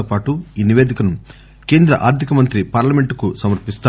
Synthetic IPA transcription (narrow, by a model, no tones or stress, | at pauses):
oːpaːʈuiːniʋeːd̪ikɐnu | ke̞ːnd̪ɾɐ̰ʔa̰ːɾt̪ʰikɐmɐnt̪ɾipaːɾlɐme̞ɳʈukusɐmɐɾpist̪aː